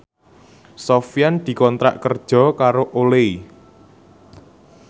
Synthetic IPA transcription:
sofijand̪̥i̤kɔnt̪ɾa̰ʔkərd̥ʒ̥ɔ̤kaɾoʔolei

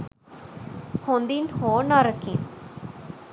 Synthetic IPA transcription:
hond̪inhoːnaɾəkḭn

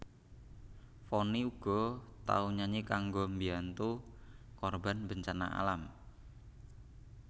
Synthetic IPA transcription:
fɔniuɡ̥ɔ̤t̪a̰uɲaɲekaŋɡombiant̪ukɔrba̤nbəɲt͡ʃana̰ʔa̰lam

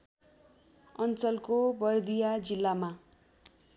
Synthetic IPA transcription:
ʌnt͡sʌlkobʌrd̪ijad͡zilːama

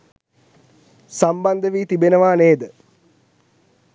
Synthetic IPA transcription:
samband̪əʋiːt̪ibenəʋaːneːd̪ə

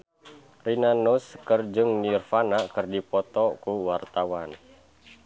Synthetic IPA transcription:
rinanuskərd͡ʒɨŋnirfanakɨrdipɔt̪ɔkuwart̪awan

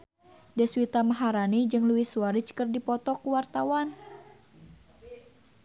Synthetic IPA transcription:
dɛswit̪amaɦaɾanid͡ʒɨŋluisuaɾit͡ʃkərdipɔt̪ɔkuwart̪awan

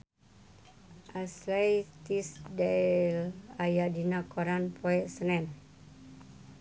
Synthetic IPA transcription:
ʔaslajt̪isdalajadinakoɾanpʰoɛʔsənɛn

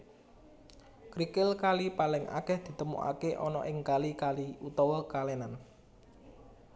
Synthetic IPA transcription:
kɾikɪlkalipalɪŋʔa̰kɛhd̪̥i̤t̪əmṵʔa̰keʔɔnɔ̰ʔɪŋkalikaliut̪ɔwɔkalenan

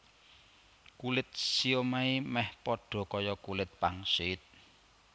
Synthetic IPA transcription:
kulɪt̪̚siomaimɛhpɔɖ̥ɔ̤kɔjɔkulɪt̪̚paŋsiːt̪̚

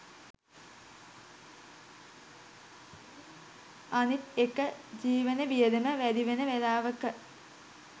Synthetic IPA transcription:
anit̪ekəd͡ʑiːʋənəʋijəd̪eməʋæd̪iʋenəʋelaːʋəkə

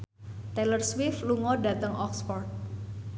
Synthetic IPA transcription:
t̪ɛlərswɪfluŋɔdat̪əŋʔɔksfɔrt̪̚

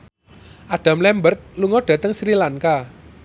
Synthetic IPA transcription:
ʔaɖ̥ä̤mlɛmbərt̪̚luŋɔɖ̥ä̤t̪əŋsɾilanka

